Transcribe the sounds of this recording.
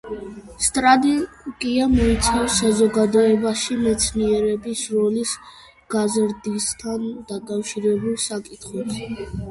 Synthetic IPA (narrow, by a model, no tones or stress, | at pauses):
st̪ʼɾad̪ɛ | ɡiamɔit̪sʰχafsːazɔɡad̪ɔɛbaʃimɛt̪sʰniɛɾɛbisɾɔlis | ɡ̥azɾd̪ist̪ʰand̪̥akʼafʃiɾɛbulˠsakʼit̪ʰχɛd̪